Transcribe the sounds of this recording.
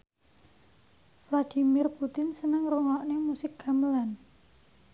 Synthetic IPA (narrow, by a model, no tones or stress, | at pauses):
flad̪̥i̤mɪrput̪ɪnsənəŋroŋɔʔnemusɪk̚ɡaməlan